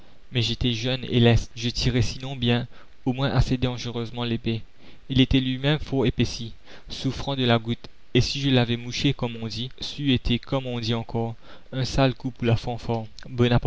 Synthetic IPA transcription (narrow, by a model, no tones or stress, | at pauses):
mɛʒet̪ɛʒœnḛlɛst̪ʒət̪ʰiʁɛsinɔ̃bjɛ̃ | omwɛ̃ʔased̪ɑ̃ʒəʁøzmɑ̃lepe | ilet̪ɛlɥimɛmfɔʁepesi | sufχɑ̃d̪əlaɡut̪ | esiʒəlavɛmuʃekɔmɔ̃d̪isyet̪ʰekɔmɔ̃d̪iɑ̃kɔʁ | ɛ̃salkupulafɑ̃fɔbɔnap